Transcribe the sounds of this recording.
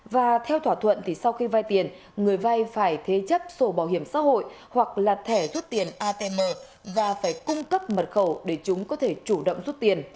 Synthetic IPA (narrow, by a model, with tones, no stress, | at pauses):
vaː˨˩t̪ʰɛ˧wt̪ʰwaː˧˩t̪ʰwə̰˧˨nt̪ʰi˨˩sa˧wxi˧va˧jt̪i˨˩ən | ŋɨ˨˩əjva˧jfaː˧˩jt̪ʰe˨˦t͡ɕə˦˥p̚so˧˩ɓaː˧˩whɦi˧˩əmsa̰ː˧˥ho̰˧˨jhwa˨˩k̚laː˨˩t̪ʰɛ˧˩zu˦˥t̚t̪i˨˩ənʔaː˧t̪e˧məː˧ | vaː˨˩faː˧˩jkʊ˧ŋ͡mkə˦˥p̚mə˨˩t̚xə˧˩wɗe˧˩t͡ɕʊ˨˦ŋ͡mkɔ˨˦t̪ʰe˧˩t͡ɕu˧˩ɗə̰˧˨wŋ͡mzu˦˥t̚t̪i˨˩ən